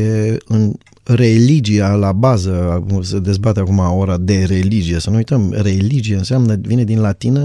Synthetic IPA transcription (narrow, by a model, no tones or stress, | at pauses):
eɨn | re̞lid͡ʒialabazəsed̪e̞zbat̪eakumaoɾad̪e̞ɾe̞lid͡ʒijesənuujt̪əmre̞lid͡ʒijeɨnseamnəvine̞d̪inlat̪inə